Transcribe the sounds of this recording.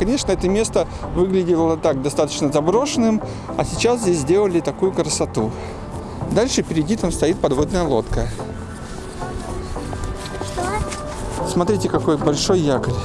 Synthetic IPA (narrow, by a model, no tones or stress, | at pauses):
kɐnʲe̞ʂnəɛt̪əmʲe̞st̪ə | vɨɡlʲɪdʲɪlˠət̪ak̚d̪ɐst̪at̪ə̥t͡ɕnəzɐbɾo̞ʂɨnɨm | ɐ̰sʲɪt͡ɕaszʲdʲesʲzʲdʲe̞lˠəlʲɪt̪ɐkujʊkɾəsɐt̪u | d̪alʲʂɨpʲɪɾʲɪdʲit̪amst̪ɐit̪̚pɐd̪vo̞d̪nəjəlˠo̞t̪kə | smɐt̪ɾʲitʲɪkɐko̞jbɐlʲʂo̞jːakəlʲ